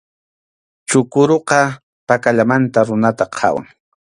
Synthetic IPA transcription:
t͡ʃʊkʊɾoqɑ | pakaʎamant̪aɾʊnat̪aqʰɑ̰wa̰ŋ

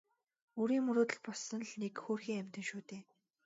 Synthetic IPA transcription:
oːɾiːŋmɵɾoːt̪ə̆ɮpɔɮsɞ̆nɮnekxoːrxiːŋæm̥ʲt̪ə̆nʃuːt̪eː

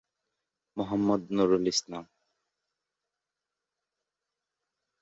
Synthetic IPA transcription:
mʊɦɐmːɐd̪nuɾulisnaːm

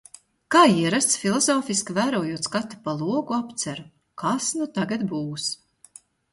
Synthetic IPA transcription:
kaːiɛɾast̪sfʲilˠɔzɔːfiskvæːɾuɔjuɔt̪skat̪ʲːi̥palˠuɔɡuapt̪sæɾu | kʰasnut̪aɡad̪buːs

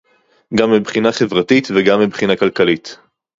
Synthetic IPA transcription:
ɡamːibχinaχe̞vʁatitveɡamːibχinakalkalit

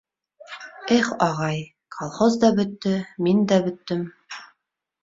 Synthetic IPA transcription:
æχɑʁɑj | kʰolˠχozd̪ɑbɵ̆t̪ːɘmind̪æbɵ̆t̪ːɘm

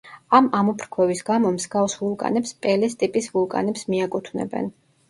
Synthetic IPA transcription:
amamɔpʰɾkʰwɛvisɡamɔmzɡavsvulˠkʼa̰nɛpspʼɛlɛst̪ʼipʼisvulˠkʼa̰nɛpsmiakʼut̪ʰvnɛ̰bɛ̰n

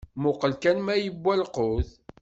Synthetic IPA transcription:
mʊqəlkænmæjəbːælqʊθ

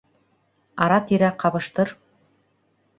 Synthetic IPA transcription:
ɑɾɑt̪iɾæqʰɑβɤ̆ʃt̪ɤɾ

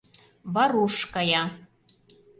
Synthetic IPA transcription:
βɑɾuʃkɑjɑ

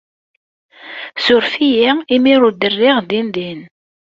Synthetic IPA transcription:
sʊɾfijiimiɾʊɾd̪ərːɪʁðinðin

